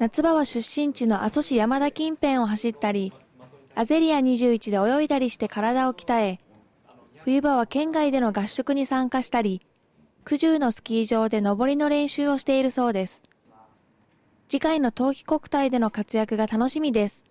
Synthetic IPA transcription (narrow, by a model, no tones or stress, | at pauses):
nat͡sɨbaβaɕɨɕːĩɲ̟t͡ɕino̞ʔaso̞ɕijamad̪akʲĩmpẽ̞ɰ̃o̞ɦaɕit̪ːaɾʲi | aze̞ɾʲiaɲ̟iʑɨːit͡ɕid̪e̞o̞jo̞it̪aɾʲiɕi̥t̪e̞kaɾad̪ao̞kʲi̥t̪ae̞ | ɸɯ̟jɯ̟baβ̞akẽ̞ŋɡaid̪e̞no̞ɡaɕːo̞kɯ̟ɲ̟isãŋkaɕi̥t̪aɾʲi | kɯ̟ʑɨːno̞sɨ̥kʲiːʑo̞ːd̪e̞no̞bo̞ɾʲino̞ɾẽ̞ɰ̃ɕɨːo̞ɕi̥t̪e̞iɾɯ̟so̞ːd̪e̞sɨ̥ | d͡ʑikaino̞t̪o̞ːkʲi̥ko̞kɯ̟̥t̪aid̪e̞no̞kat͡sɨjakɯ̟ɡat̪ano̞ɕimʲid̪e̞sɨ̥